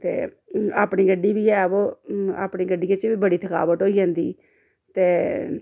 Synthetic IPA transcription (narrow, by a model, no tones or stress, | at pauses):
t̪ḛː | a̰ːpɳiːɡəɖːiːʋiːɛːoːa̰ːpɳiːɡəɖiːət͡ʃʋiːbəɽiːt̪ʰəka̰ːʋət̪ɦoːiːd͡ʒãːnd̪ḭː | t̪eː